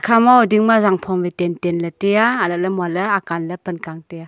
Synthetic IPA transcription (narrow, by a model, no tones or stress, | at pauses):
kʰamawdiŋmazaŋpʰɔmvetentenlətejaalalɐmwalɐakanləpənkaŋteja